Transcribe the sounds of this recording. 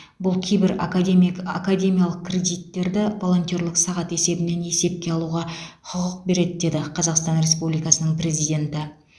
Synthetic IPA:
bʊlˠkʲʰejbɪɾa̰kad̪ʲema̰kad̪ʲe̞mijalˠəq̚kʲre̞d̪ijt̪ːe̞ɾd̪ɪvo̞lˠo̞nt̪io̞ɾlˠəqsɑʁɑt̪e̞se̞bɪne̞ne̞se̞p̚kʲe̞ɑlˠuʁɑqʰʊqəq̚be̞ɾe̞d̪ɪd̪e̞d̪ɪqʰɑzɑqst̪ɑnɾe̞spublijkɑsənəɴpɾe̞zijd̪ʲe̞nt̪ɪ

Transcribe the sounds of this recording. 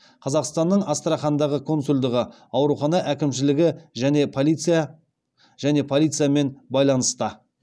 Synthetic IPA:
qʰɑzɑqst̪ɑnːəɴɑst̪əɾɑχɑnd̪ɑʁəkʰo̞nsulʲd̪əʁə | ɑwɾuχɑnɑʔækʲɪmʃɪlɪɡʲɪʒæne̞pʰlit̪sɨja | ʒ̥æne̞pʰolʲˠijt̪sɨjame̞nbɑjlˠɑnəst̪ə

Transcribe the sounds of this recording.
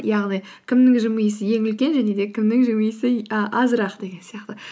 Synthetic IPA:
jɑʁnij | kʲʰɪmnɪŋʒɪməjəsɪje̞ŋʏlkʲe̞nʒæne̞d̪e̞kʲʰɪmnɪŋʒɪmɨjəsɪəʔɑzɾɑqd̪e̞ɡʲe̞nsijɑqt̪ə

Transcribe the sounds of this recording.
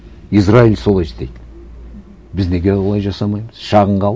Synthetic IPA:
israilso̞lˠɑjst̪ejd̪ | bɪzne̞ɡʲewolˠɑjʒɑsɑmɑjməz̥ʃɑʁəɴʁɑ

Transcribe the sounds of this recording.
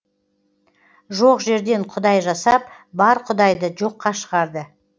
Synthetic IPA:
ʒo̞qʒe̞ɾd̪e̞ɴqʰʊd̪ɑjʒɑsɑp | bɑɾqʰʊd̪ɑjd̪əʒo̞qːɑʃəʁɑɾd̪ə

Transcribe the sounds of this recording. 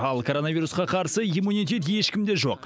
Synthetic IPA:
ɑlˠkʰo̞ɾo̞navijɾusqɑqʰɑɾsəijmunijt̪̬ʲe̞t̪̬je̞ʃkʲɪmd̪e̞ʒo̞̰q

